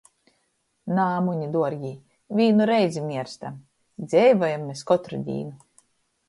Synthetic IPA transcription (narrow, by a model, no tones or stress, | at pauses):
naːmuɲid̪uɔɾɡʲiː | vʲiːnuɾɛjzʲimʲiɛɾst̪am | d̪zʲɛjvɔjamːeskɔt̪ɾṵd̪ʲḭːnu